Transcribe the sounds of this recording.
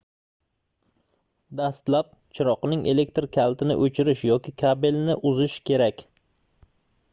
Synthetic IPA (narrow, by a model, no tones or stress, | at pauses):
d̪ast̪lap̚t͡ʃʰɪɾɒqnɪŋʔe̞le̞k̚t̪ɾkʲʰalˠt̪ʰɪnɪ̰ʔɵt͡ʃʰɪɾɪʃjɒkʲʰɪkʲʰabɪlnɪʔʊzɪʃkʲʰe̞ɾakʲ